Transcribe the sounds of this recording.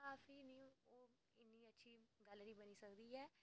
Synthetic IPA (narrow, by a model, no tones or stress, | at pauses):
aːfiːnĩːoː | ɪnːiːətːʃʰiːɡəlnĩːbəniːsəkd̪iːɛː